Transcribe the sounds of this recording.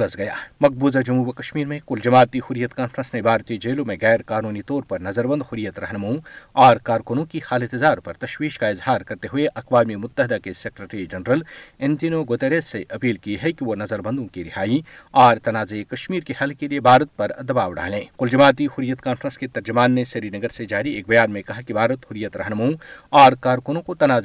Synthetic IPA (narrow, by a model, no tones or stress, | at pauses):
ləsɡɐja̰ːmɐq̚buːzad͡ʒɐmuːʋkɐʃmiːɾmẽqʊld͡ʒɐmaːt̪ihʊɾjət̪kaːnfɾə̃nsnebʱaːɾt̪id͡ʒeːlõmẽɣɛːɾkaːnuːnit̪ɔːɾpɐɾnɐzəɾbə̃nd̪hʊɾijət̪ɾɐɦnɐmãɔːɾkaːɾkʊnõkixaːlɪ̃t̪ɪzaːɾpɐɾt̪ɐʃwiːʃkaɪzhaːɾkɐɾt̪eɦʊeʔɐqʋaːmimʊt̪ːəɦɪd̪akesekɾeʈɾid͡ʒɐnɾəlẽnt̪inoɡoːt̪eɾeːseʔɐpiːlkiɦɛkiʋonɐzəɾbɐ̃nd̪õkiɾɪɦaːiɔːɾt̪ɐnaːzekɐʃmiːɾkehɐlkeliebʱaːɾət̪̚pɐɾd̪ɐbaːʋɖa̰ːlẽːqʊld͡ʒɐmaːt̪̬ihʊɾijət̪kaːnfɾə̃nsket̪ɐɾd͡ʒʊmaːnːesɐɾinɐɡəɾsed͡ʒaːɾieːk̚bɐjaːnmẽkɐɦakibʱaːɾət̪ɦʊɾijət̪ɾɐ̰ɦnɐmaũɔːɾkaːɾkʊnõkot̪ɐnaːz